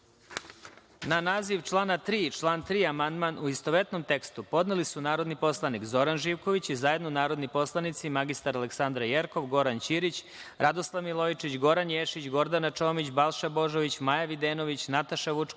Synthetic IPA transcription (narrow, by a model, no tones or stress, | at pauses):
nanaːziʋt͡ʃlˠaːnat̪ɾiːt͡ʃlˠaːnt̪ɾiːamand̪manuist̪oʋet̪no̞mt̪e̞kst̪upo̞d̪nelisunaːɾo̞d̪nipo̞slˠanikzo̞ɾanʒiːʋko̞ʋit͡ɕizaje̞d̪nonaːɾo̞d̪nipo̞slˠanit̪simaɡist̪aɾale̞ksand̪ɾajeɾko̞ʋɡo̞ɾant͡ɕiɾit͡ɕ | ɾad̪oslˠaʋmilˠo̞jt͡ʃit͡ɕɡo̞ɾanjeʃit͡ɕɡo̞ɾd̪anat͡ʃo̞ːmit͡ɕbalˠʃabo̞ʒoʋit͡ɕmajaʋid̪eːnoʋit͡ɕnat̪aʃaʋut͡ʂk